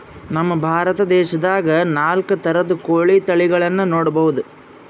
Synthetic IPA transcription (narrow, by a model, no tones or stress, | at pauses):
nɐmːɐbʱaːɾɐt̪ɐd̪ɛːʃɐd̪aːɡɐnaːlkɐt̪ɐɾɐd̪ukoːɭit̪ɐɭiɡɐɭɐnːunoːɽɐbɐʋud̪u